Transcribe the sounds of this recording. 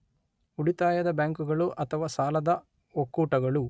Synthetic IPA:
uɽit̪aːjɐd̪ɐbjaːŋkuɡɐɭuʔɐt̪ʰɐʋaːsaːlɐd̪ɐ | okːuːʈɐɡɐɭu

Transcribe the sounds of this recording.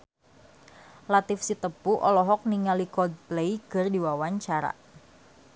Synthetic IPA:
lat̪ɪfsit̪əpuʔɔ̰lɔɦɔk̚niŋalikɔd̪̚plejkərdiwawaɲt͡ʃaɾa̰

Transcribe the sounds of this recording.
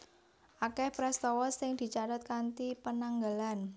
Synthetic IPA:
ʔakɛhpɾɛst̪ɔwɔsɪŋd̪̥i̤t͡ʃaɾat̪̚kant̪ipənaŋɡalan

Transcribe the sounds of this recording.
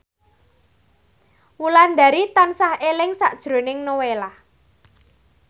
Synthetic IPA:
wuland̪a̤ɾit̪ansahelɪŋsaʔd̥ʒ̥ɾo̤nɪŋnowelah

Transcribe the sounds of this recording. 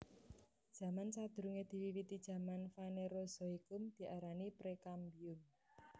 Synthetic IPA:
d̥ʒ̥ä̤mansad̪̥ɾuŋed̪̥i̤wiwit̪id̥ʒ̥ä̤manfaneɾoz̥ɔikʊmd̪̥i̤ʔaɾanipɾekambiʊm

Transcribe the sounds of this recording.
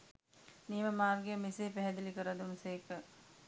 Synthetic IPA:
niːməmaːrɡejəmiseːpæɦɛd̪ilikəɾɐd̪unseːkə

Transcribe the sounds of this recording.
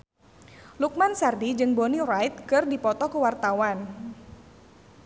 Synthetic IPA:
luk̚mansardid͡ʒɨŋbonirajt̪̚kɨrdipɔt̪ɔkəwart̪awan

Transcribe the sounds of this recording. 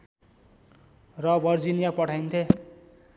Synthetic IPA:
rʌbʱʌrd͡zinijapʌʈʰajnt̪ʰe

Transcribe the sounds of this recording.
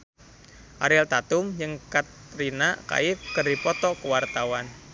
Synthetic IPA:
ʔa̰ɾɛlt̪at̪ʊmjɨŋkat̪ɾinaka̰ɪfkərdipɔt̪ɔkuwart̪awan

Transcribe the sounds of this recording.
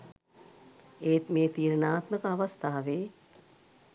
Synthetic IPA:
eːt̪meːt̪iːɾənaːt̪məkəaʋast̪ʰaːʋeː

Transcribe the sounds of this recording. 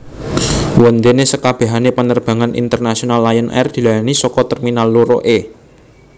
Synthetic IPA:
wɔnd̪enesəkab̥a̤ɦanepənərb̥a̤ŋanḭnt̪ərnasionalːajənʔɛ̰rd̪̥i̤lajanisɔkɔt̪ɛrminalːuɾo̰ʔe

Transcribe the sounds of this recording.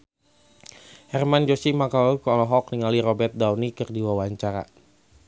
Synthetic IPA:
hɛrmand͡ʒɔsimakaukːlɔɦɔk̚niŋaliɾɔbɛrt̪̚dawnikərdiwawaɲt͡ʃaɾa̰

